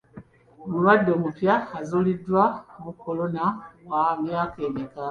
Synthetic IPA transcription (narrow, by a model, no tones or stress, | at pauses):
mulwadːo̞mupjaazulidwamukːo̞lo̞nawamjaːkeːnika